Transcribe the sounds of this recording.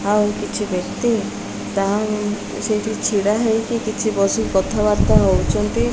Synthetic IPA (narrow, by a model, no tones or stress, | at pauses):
ɦawkit͡ʃʰibekt̪i | t̪aɦã | sejʈʰit͡ʃʰiɽaɦejkikit͡ʃʰibɔsikɔt̪ʰaβaɾt̪aɦɔwt͡ʃʰɔnt̪i